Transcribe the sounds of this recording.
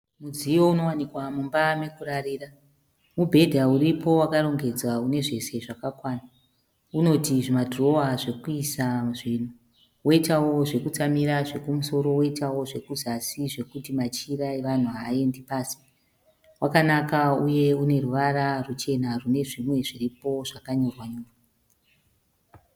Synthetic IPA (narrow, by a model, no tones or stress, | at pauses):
mud͡zijo̞uno̞wanikwamumbamekurariːra | mubʱe̞dʱauripo̞wakaro̞ŋɡe̞d͡zwaune̞ʐe̞se̞ʐakakwaːna | uno̞tiʐimadʱro̞waʐe̞kuisaʐiːn̤u | wo̞itawo̞ʐe̞kut͡samiɾaʐe̞kumuso̞ɾo̞woitawo̞ʐe̞kuzasiʐe̞kutimat͡ʃiraeʋan̤uɦae̞ndipaːsi̥ | wakanakauje̞une̞ruʋaɾarut͡ʃe̞narune̞ʐimwe̞ʐiripo̞ʐakaɲo̞rwaɲoːrwa